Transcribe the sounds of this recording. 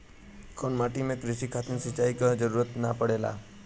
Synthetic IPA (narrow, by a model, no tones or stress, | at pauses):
kʰonmaʈimẽkɾɪʃikʰat̪nisət͡ʃaikad͡ʒəɾuɾət̪napəɽela̰